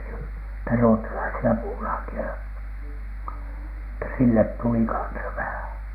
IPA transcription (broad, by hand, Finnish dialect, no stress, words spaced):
niːtæ ruotːɑlɑisiɑ puːlɑːkiɑ etːæ silːet tuli kɑnsɑ ʋæhæˑn̥